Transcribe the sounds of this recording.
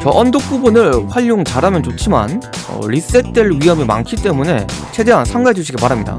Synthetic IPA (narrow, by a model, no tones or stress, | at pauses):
t͡ɕʌʔʌndok̚p͈ubunɯɭɸwaʎːoŋt͡ɕaɾamjʌnt͡ɕot͡ɕʰima̰nʌ̰ɾis͈et͈eɭɥiɦʌmima̰ŋkʰit͈e̞mune̞t͡ɕʰe̞de̞ɦansʰaŋɡaɦed͡ʑuɕʰiɡepaɾɦamɲida̰